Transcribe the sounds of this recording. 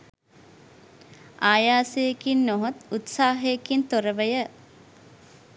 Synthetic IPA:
ʔaːjaːsejekinːoɦot̪ut̪saːɦejːkint̪oɾəʋəjə

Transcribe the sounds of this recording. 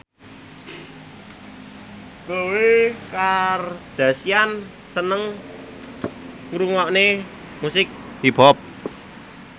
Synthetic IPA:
kowekard̪̥ä̤sian | sənəŋ | ŋɾuŋɔʔne | musɪk̚d̪̥ipɔp̚

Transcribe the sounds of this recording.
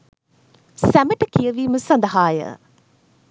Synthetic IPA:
sæməʈəkijəʋiːməsɐnd̪ɐɦaːjə̰

